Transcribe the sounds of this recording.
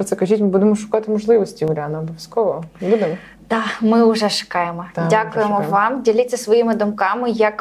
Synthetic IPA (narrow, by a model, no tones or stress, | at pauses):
ɾɔt̪ɛkɐʒʲitʲmɪbud̪emɔʃʊ̥kɑt̪ɪmɔʒlˠɪʋɔsʲtʲiʊlʲɑnɐɔbɔʋʲjɐskɔʋɔbud̪emɔ | d̪̥ɑmɪʊʐɛʃʊ̥kɑjemɔdʲakʊjemɔʋɑmdʲilʲitʲt͡sʲːɐsʋɔjimɪd̪ʊmkɑmɪjɐk